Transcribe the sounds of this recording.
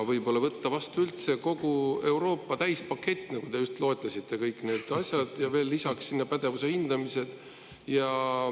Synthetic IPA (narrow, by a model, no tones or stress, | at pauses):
vɤjb̥o̞lːɑvɤt̪ːɑvɑst̪uylt̪se̞ko̞ɡue̞wɾo̞ːpˑːɑt̪æjspɑkːe̞t̪ʲːˑnɑɡ̥u̥e̞ust̪lo̞et̪ˑːɑsʲit̪ˑːe̞kɤjkːˑne̞ːd̪̥ɑsʲjɑd̪̥jɑve̞ːlːisɑksːinːepæd̪̥e̞vuse̞hind̪̥ɑmise̞d̪̥ | jɑ